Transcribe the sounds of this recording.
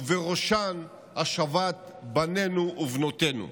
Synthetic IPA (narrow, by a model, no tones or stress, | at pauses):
veʁoʃan | haʃavat̪̚ | bane̞nuːvnot̪e̞nṵ